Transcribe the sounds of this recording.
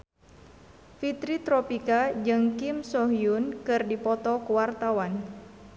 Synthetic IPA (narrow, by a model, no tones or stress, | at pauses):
fit̪ɾit̪ɾɔpikad͡ʒɨŋkimsɔɦiunkɨrdipɔt̪ɔkuwart̪awan